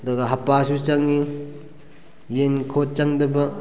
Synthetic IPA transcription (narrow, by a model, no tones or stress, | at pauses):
doɡaɦɐpasut͡ʃaŋi | jenkʰot̚t͡ʃaŋdɐbɐ